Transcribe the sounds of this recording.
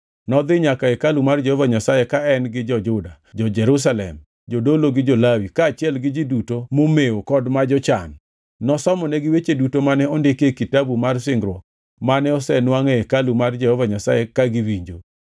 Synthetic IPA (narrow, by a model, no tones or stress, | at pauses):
nɔd̪ɪɲakaekalumard͡ʒɛhɔvaɲasajekaɛnɡɪd͡ʒɔd͡ʒʊda | d͡ʒɔd͡ʒɛɾus̬alɛ̰m | d͡ʒodoloɡɪd͡ʒolawikaːt͡ʃɪɛlɡɪd͡ʒidutomomeokɔdmad͡ʒɔt͡ʃa̰nː | ɔsɔmɔnɛɡɪwet͡ʃedutomanɛɔndekekitabumarsɪŋɡɾwɔ | manɛɔsɛnwaŋeekalumard͡ʒɛhɔvaɲasajekaɡɪwiɲd͡ʒo